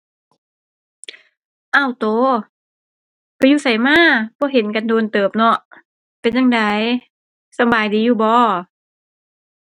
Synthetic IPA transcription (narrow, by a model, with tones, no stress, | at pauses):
ʔa˧˩wt̪oː˨˧˦ | kɔ˧˦juː˧˨sa˨˦jmaː˧˥˩b̥ɔː˧˦ɦe˨˦nka˧ndoː˧nt̪ɤː˨˩p̚nɔ˧˩ʔ | pe˧˨nja˧ŋda˨˧j | sa˧˦mbaː˨˩jdiː˨˧˦juː˧˩bɔː˧˦